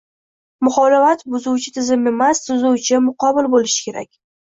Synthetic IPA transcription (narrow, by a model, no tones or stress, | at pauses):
mʊχɒlɪfat̪bʊzʊwt͡ʃʰɪt̪ʰɪzɪme̞mast̪ʊzʊwt͡ʃʰɪmʊqɒbɪlbolɪʃɪ̥kʲe̞ɾa̰kʲ